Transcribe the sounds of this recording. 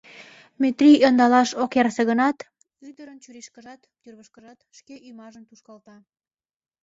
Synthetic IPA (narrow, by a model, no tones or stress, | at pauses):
met̪riond̪ɑlɑʃokjɑrseɣənɑt̪ | yd̪əɾənt͡ɕyɾiʃkəʒɑt̪t̪yrβəʃkəʒɑt̪ʃkeʔymɑʒəmt̪uʃkɑlt̪ɑ